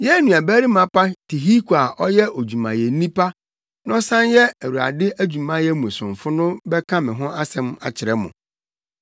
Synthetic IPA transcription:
jɛ˦nũ˨a˨bæ˦ɾi˦mã˨˦pa˦tʰi˨ɦi˦ko˨a˨ʔɔ˦jɛ˦o˨d͡ʑᶣu˨mã̰˨jɛ˨n̩˦nĩ˦pʰa˦ | nɔ̃˦sã˦njɛ˦æ˨wu˨a̰˨dɪ˦ʔæ˦d͡ʑu˨mã˦jɛ˦mũ˨sʊ̃˨ɱ˨fʊ˦nʊ̃˦bɛ˦kʰã˦mɪ̃˨ɦʊ̃˦a˦sɛ̃˦ma̰˨t͡ɕʰɪ˨ɾɛ˦mʊ̰̃˨

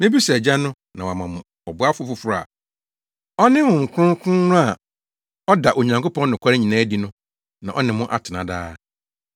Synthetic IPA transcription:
m̃˦bi˦sɛ˨d͡ʑa˦nʊ̃˦ | nã˨wa˨mã˨mʊ̃˨ | ɔ˨bʊ˦a˦fʊ˦fʊ˨fʊ˦ɾa̰˨ | ɔ˦nɪ̃˦hʊ̃˨ŋ̩˨kʰʊ˦ʊ̃˦kʰʊ̃˦nʊ̃˦a˨ | ɔ˦da˨ʔo˨ɲã˨ŋko˦pʰɔ̃˦nː˦nʊ̃˨kʰʷa˦ɾɪ˦ɲĩ˨nã˦di˨nʊ̃˦ | nã˨ʔɔ˦nɪ̃˨mʊ̃˦ʔa̰˨tʰɪ˨nã̰˨da̰ː˦

